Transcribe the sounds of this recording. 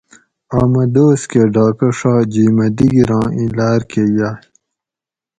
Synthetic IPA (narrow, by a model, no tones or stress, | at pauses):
aːmɐd̪oːskeɖaːkɐʂaːd͡ʑiːmɐd̪iɡiɾãːĩlaːɾkejaː